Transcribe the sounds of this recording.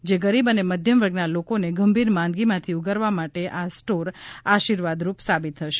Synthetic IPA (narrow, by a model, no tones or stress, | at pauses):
d͡ʒeɡəɾibəneməd̪ʱjəmʋəɾɡnalokoneɡəmbʱiɾmãnd̪ɡimãt̪ʰiuɡəɾʋamaʈeʔasʈoɾaʃiɾʋad̪ɾupsabit̪ʰːəʃe̥